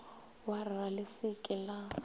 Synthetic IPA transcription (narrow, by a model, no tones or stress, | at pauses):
waralɪsɪkʼɪla